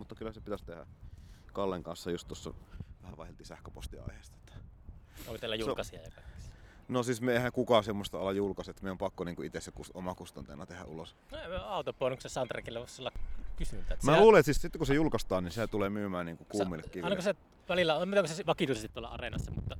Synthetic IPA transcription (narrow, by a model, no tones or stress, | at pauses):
mut̪ːɑkylːhæsepit̪æst̪ehæ̰kɑlːeŋkɑnsːɑjust̪t̪osːɑ̰ʋæhæʋɑˑehˑelt̪isæhkøpo̰st̪iɑ̰iheˑːst̪ɑet̪ːæ̥oˑkot̪elæjunkɑsiɑ̰jɑ̰kɑkæ̥s | nosismeeˑhæŋkukɑsemːost̪ɑolːɑjjulkɑset̪ːmeˑompɑkːoniːŋkuit̪esekusomɑkust̪ont̪ḛnːɑt̪ehæ̰ʔʔulosnemøɑˑut̪opoːˑnːuksesɑnt̪rekilːæʋoˑssolːɑkkysyt̪ːæt̪mæluːleet̪siːssit̪ːkusejulkɑst̪ɑːninsiæt̪ulemyːmæːnniːŋkukuːmilːekkiʋiɑilnɑkose | ʋælilːæomit̪ekosesʋɑkit̪usest̪it̪olːɑ̰ɑ̰renɑsːɑmṵt̪ːɑ